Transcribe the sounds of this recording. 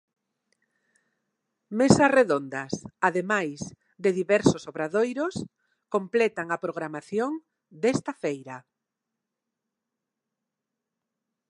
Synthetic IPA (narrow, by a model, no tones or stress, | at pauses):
mesɐsreðond̪ɐsaðemajs | d̪eðiβɛɾsosoβɾaðojɾos | komplɛt̪aŋapɾoɣ̞ɾamaθjoŋ | d̪ɛst̪ɐfejɾɐ